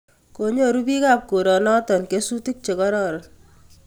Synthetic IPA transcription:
koɲo˦ɾubi˦ka˦p̚ko˨ɾɔ˨nɔ˦t̪ɔ˨nke˦su˦t̪i˦k̚t͡ʃe˨kɔ˦ɾɔːɾɔn

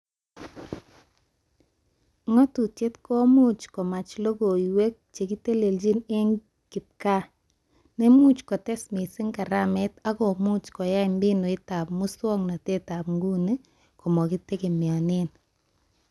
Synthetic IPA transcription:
ŋɔ˦tu˨te˦tkɔ˦mu˦t͡ʃkɔ˨ma˨t͡ʃlo˦ɡo˨i˨we˦k̚t͡ʃe˨ki˦te˦le˨ld͡ʒi˦ne˦ŋ | ki˨t̚ka˦ | ne˦mu˦t͡ʃkɔ˨tɛ˦smi˨sɪ˦ŋka˨ɾa˦mɛ˦ta˦kɔ˨mu˦t͡ʃkɔ˨ja˦ɪ˨mbɪ˦no˨ɪ˦ta˨p̚mu˦swɔ˦ŋna˨te˦ta˨pŋɡu˦ne˦ | kɔ˨mɔ˨ki˦te˦ki˨mɪ˨a˨nɪ˦n

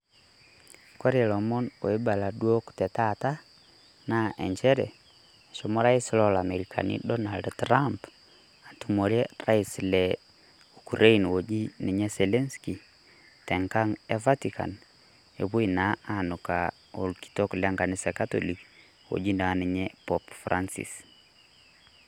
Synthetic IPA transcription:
ko˦ɾe˨lo˨mɔ˦no˨e˦ba˨la˨dwo˦ktɛ˨ta˦ta˦ | na˦ʔḛ˨ɲt͡ʃɛ˦ɾɛ̰˨ | ʃo˨mɔ˦ɾa˦i˦slɔ˨la˨me˨ɾikʰa̰˨nḭ˦dɔ˦na˨ldtɾamp | a˨tu˨mo˨ɾɛ˦ra˦i˨slɛ˨ | ukuɾe˦inwod͡ʒi˦ni˨ɲɛ˦sɛlɛ˦nski˨ | tɛ˨ŋka˦ŋɛ˦va˦tikʰa̰n | ḛ˨βu˦ina˨˦anʊ˨ka˨ | o˨lki̥to˦klɛ˦ŋɡa˨nɪ˦sɛ˨ka˦to̰˨li˨k | wo̰˨d͡ʒi˦nda˨nɪ˨ɲɛpɔpfɾʔansḭ˨s

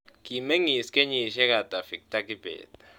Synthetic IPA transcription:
ki˨me˦ŋi˨skʼe˦ɲi˨ʃɛ˦ka˨ta˨fi˨k̚tʼa˦ki˦b̥ɛ̰ː˨t

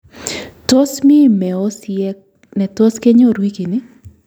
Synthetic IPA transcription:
to˦smɪ˦mɛ˨o˦sjɛ˦k | nɛ˨to˦ske˦ɲo˦˨ɾwi˦ki˨nɪ˦

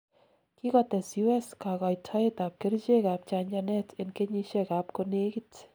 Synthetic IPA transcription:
ki˦kɔt̪ɛ˨sju˦ɛska˨kɔ˨jtʰa˦et̪aː˨p̚ke˦ɾt͡ʃe˦kaː˨p̚t͡ʃa˧ɲd͡ʒanɛ˦tɪnke˦ɲi˧ʃɛkaː˨˦p̚kone˦kit

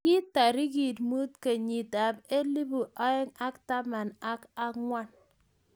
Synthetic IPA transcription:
ki˦ta˨ɾi˦ɡi˨tmu˦tke˨ɲi˨ta˨pe˦li˦bu˨ʔa˦ɛ˦ŋa˦kta˦ma˨na˦ka˦ŋwa˦n

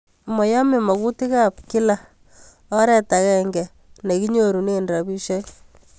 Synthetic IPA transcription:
mɔ˨ja˦mɪ˨ma˨ku˦tɪ˦ka˦pkɪ˦la˨ | ɔ˦ɾɛ˦ta˨kɛ˦ŋɡɛ˨ | ne˨ki˦ɲo˦ɾu˨ne˦˨ndra˨bi˦ʃɛ˦

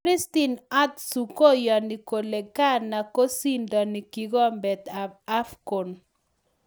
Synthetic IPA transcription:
ɾi˦st̪i˦na˦t̪su˨ko˦jɔ˨ni˨ko˨le˨ka˦na˨ko˦si˦ndɔ˨ni˨ki˨ɡɔ˦mbɛ˨t̪aa˦fko˨n

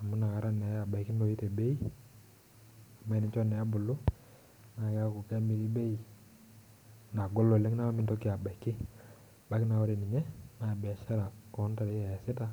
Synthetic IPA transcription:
a˨mu˦na˨ka˨ɾa˦nɛ˨˦a˨ba˨i˨kɪ˦no˨i˦te˨be˦i˦ | a˨ma˦i˨ni˨˦t͡ʃɔ˦nɛ˨a˦bʊ˨lʊ˦ | na˨ka˦ku˨ka˦mi˨ɾi˦be˦i˦ | na˨ɡɔ˦lɔ˨lɛ˦ŋ˦na˦a˦mi˦ntɔ˦kɪ˦a˨ba˨i˨kːɪ˦˨ | ba˨˦kɪ˦na˨wɔ˦ɾe˨mi˨ɲɛ˦na˨bɛ˨ʃa˦ɾa˨kɔ˨˦n˦ta˨ɾe˨˦a˨ja˨sɪ˦ta˦

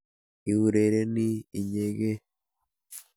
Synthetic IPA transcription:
i˨hu˨ɾe˨ɾe˦niː˦˨ɲe˨ɡe˦

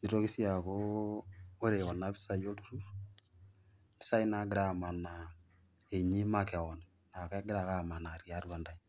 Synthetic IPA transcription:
ni˨ɾo˦ki˦sja˨ko˦ | o˦ɾe˨kɔ˨na˨βi̥˦sa˦jo˦tu˦ɾu˦ | bi̥˦sa˦i˦na˦ɡɪ˦ɾa˦ma˨na˨ | e˨ɲi˦ma˦kɛ˨ɔ˨nɛ˨ | na˨kɛ˦ɡɪ˦ɾa˨ka˦˨ma˨na˨ɾja˦ɾwa˨nda˦i

